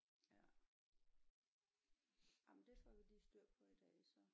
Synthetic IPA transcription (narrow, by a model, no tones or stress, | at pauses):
jæ | amnd̥efɒʋilisd̥øɐ̰pʰɒ̽id̥ɛ̰ːsɒ